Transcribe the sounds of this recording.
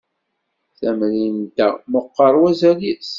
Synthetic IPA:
θæmɾint̪æməqːəɾˤwæzæɾis

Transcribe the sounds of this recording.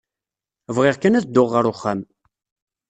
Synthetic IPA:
vʁɪʁkænæθd̪ːʊʁːəɾʊχːam

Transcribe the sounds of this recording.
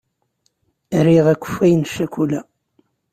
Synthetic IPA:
ɾiʁækʷːə̥fæjənʃːækʷulæ

